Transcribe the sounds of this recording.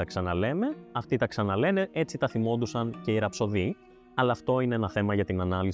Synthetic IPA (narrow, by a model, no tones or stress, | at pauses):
ɐksɐnɐle̞me̞ɐft̪it̪ɐksɐnɐle̞ne̞ʔe̞t͡sit̪ɐθimo̞nd̪usɐnce̞iɾɐpso̞ði | ɐlɐːft̪o̞ineenɐθe̞mɐʝɐt̪inɐnɐlis